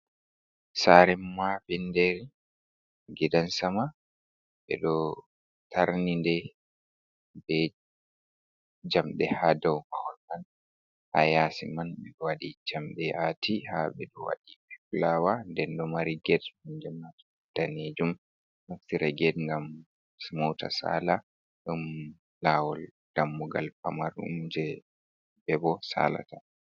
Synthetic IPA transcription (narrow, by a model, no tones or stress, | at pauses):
saɾɛmːafindɛɾi | ɡɛdansama | ɓɛ̰ɗɔ | tʰaɾnindɛ | bɛ | d͡ʒamɗɛhadawmahɔlman | ha̰jaːsimanɓɛɗɔwaɗid͡ʒamɗɛʔatʰihaɓɛɗɔwa̰ɗipɛp̚lawandɛndɔmaɾiɡɛdmɔnd͡ʒɛmat | d̥aned͡ʒum | haftiɾɛɡɛdŋɡam | smɔwta̰sa̰ːla | ɗɔm | laːwɔl | d̥amːuɡalpamaɾṵmd͡ʒɛ | bɛbɔsa̰la̰ta